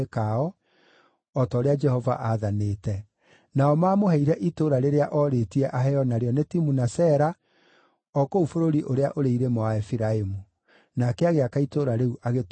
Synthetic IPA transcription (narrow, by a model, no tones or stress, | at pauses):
kaɔ | ɔtɔːɾead͡ʒɛhɔva̰ʔaðaneːtɛ | naɔmaːmoɦɛiɾɛʔitoɾaɾeɾeaʔɔɾeːtiɛʔaɦɛɔnaɾeɔnetimunasɛɾa | ɔkoufoɾoɾiʔoɾeaʔoɾeiɾemɔwaɛfiɾaemu | nakɛaɣeakaitoɾaɾeuʔaɣet